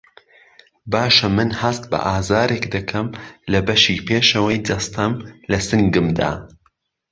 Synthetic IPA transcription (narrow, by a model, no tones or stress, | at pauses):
baːʃɐmɨnhɐst̪̚bɐ̰ʔaːzaːɾekd̪ɐkʰɐmlɐbɐʃiːpʰeːʃɐwɐjd̪ɐst̪ʰɐmlɐsɨŋɡɨmd̪a̰ː